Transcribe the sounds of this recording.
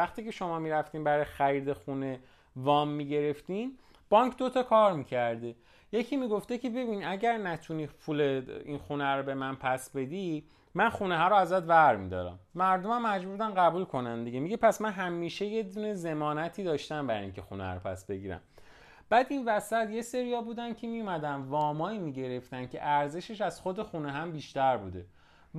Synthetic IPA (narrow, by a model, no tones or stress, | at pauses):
æχt̪iːcʰe̞ʃo̞mɒːmiɾæft̪iːnbæɾɒːjexæɾiːd̪e̞xune̞ | vɒːmːiːɟe̞ɾe̞ft̪in | b̥ɒŋkʰd̪o̞t̪ʰɒkʰɒːɾmiːcʰæɾd̪e | je̞cʰiːmiːɡo̞ft̪ecʰe̞be̞biːnæɟæɾnæt̪ʰuniːfʰuleinxunæɾobe̞mænpʰæsbe̞d̪i | mænχuneɦɒɾoæzæt̪væɾmid̪ɒ̰ːɾæ̰mːæɾd̪o̞mæmːæd͡ʒbuɾbd̪ænɣæbuːlkʰo̞nænd̪iɟemiɟepʰæsmænɦæmːiːʃe̞je̞d̪uːne̞ze̞mɒːnæt̪ʰiːd̪ɒːʃt̪æmbæɾiŋcʰexṵnæ̰ɾopʰæ̰sbe̞ɟiːɾæ̰m | b̥æːd̪invæsæt̪je̞se̞ɾihɒːbuːd̪æn̥cʰemijomæd̪ænvɒːmɒːimiɟe̞ɾe̞ft̪ænkcʰe̞̰ʔæɾze̞ʃe̞ʃæz̥xo̞d̪e̞xuneɦæmbiːʃt̪æɾbṵːd̪e̞